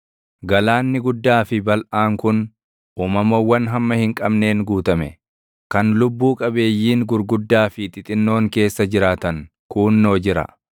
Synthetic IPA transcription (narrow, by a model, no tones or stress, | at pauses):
ɡɐlaːnːɪɡʊd̪ːaːfɪbɐlʔaːŋkʊn | ʔuːmɐmɐwːɐnɦɐmːɐhɪŋkʼɐbne̞ːŋɡuːt̪ɐmɛ | kɐnlʊbːuːkʼɐbe̞ːjːiːŋɡʊɾɡʊd̪ːaːfɪt̪ʼɪt̪ʼɪnːo̞ːŋke̞ːsːɐd͡ʒɪɾaːt̪ɐŋ | kuːnːo̞ːd͡ʒɪɾɐ̰